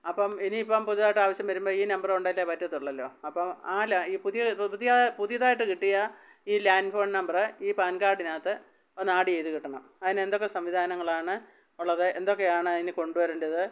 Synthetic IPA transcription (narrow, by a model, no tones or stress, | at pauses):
ɐpːɐmeniːpːompuðijɐðaːjiʈːɨaːʋɐɕjɐmʋɐɾumbo̞ːiːnɐmbɐruɳɖɐlːepɐtːɐt̪ːuɭːɐlːo̞ːɐpːɐmaːlaiːpuðijɐpuðijɐpuðijɐðaːjiʈːɨkiʈːijɐiːlaːnfo̞ːɳnɐmbɐrɨiːpaːnkaːɖinaːt̪ːɨ | onaːɽie̞jt̪ukiʈːɐɳɐm | ɐðinend̪o̞kːe̞sɐmʋid̪ʱaːnɐŋːɐɭaːɳɨ | uɭːɐðɨʔend̪o̞kːe̞aːɳɨɐðinɨko̞ɳɖuʋɐɾundɐðɨ